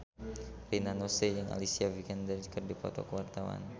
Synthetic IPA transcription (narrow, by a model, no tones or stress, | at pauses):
rinanosejaŋʔa̰lisiavikɛndərkərdipɔt̪ɔkəwart̪awa̰n